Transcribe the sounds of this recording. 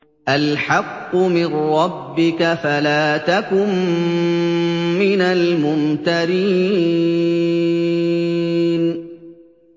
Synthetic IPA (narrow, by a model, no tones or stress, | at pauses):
ʔalħɑqːʊmɪrːɑbːɪkafalaːt̪akʊm | ɪnalmʊnt̪aɾiː | n